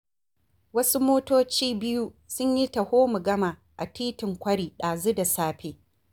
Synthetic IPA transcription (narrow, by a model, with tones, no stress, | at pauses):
wɐ˦su˦moː˦toː˦t͡ʃiː˦bɪ˦ju˦sʊ˦ɲji˦tɐ˨hoː˦mu˨ɡɐ˦ma˨ | ʔa˨tiː˦tɪ˨ŋkʷɐ˦ɽiː˨ɗaː˨zu˦da˨saː˦ɸʰeː˦